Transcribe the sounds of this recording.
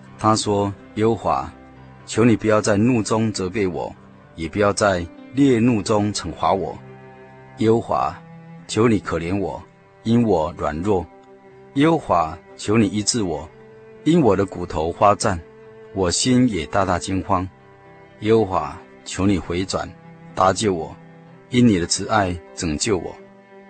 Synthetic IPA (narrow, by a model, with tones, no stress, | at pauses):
t̪ʰa˦swɔ˥jɛ˦ho˦xwa̰˧˥˦ | t͡ɕʰjo˧˥ʊni˨˩pu˨˩jɑ˥˧ʊt͡sa˥˧ɪnu˥˨t͡sʊ˦ŋt͡sɤ˧˦p̬e˥˩ɪwɔ̰˨˩˦ | jɛ˨˩pu˨˩jɑ˥˧ʊt͡sa˥˧ɪljɛ˥˧nu˥˨t͡sʊ˦ŋʈ͡ʂʰə˨˩˦ŋxwa˧˥wɔ̰˨˩˦ | jɛ˦hə˧˦xwa̰˧˥t͡ɕʰjo˨˦ʊni˨˩kʰɤ˨˩ljɛ˨˦nwɔ˨˩˦ | i˦˥nwɔ˨˩ɻwa̰˨˩nɻwɔ˥˩ | jɛ˦xə˧˦xwa˧˥˦t͡ɕʰjo˧˥ʊni˨˩i˦˥t͡sɹ̩˥˨wɔ˨˩˦ | i˦˥nwɔ˨˩d̪ə˦ku˨˩t̪ʰo˧˦ʊxwa˦t͡sa˥˩n | wɔ˨˩ɕi˦njɛ˨˩t̪a˥˧t̪a˥˨t͡ɕi˥ŋxwɑ˦˥ŋ | jɛ˥xə˧˥xwa̰˧˥ | t͡ɕʰjo˧˥ʊni˨˩xwe˧˥˦ɪt͡swa̰˨˩˦nt̪a˧t͡ɕjo˥˩ʊwɔ˨˩ | i˦nni˨˩d̪ə˦t͡sʰɹ̩˧˦a˥˩ɪt͡sɤ˨˩ŋt͡ɕjo˥˩ʊwɔ̰˨˩˦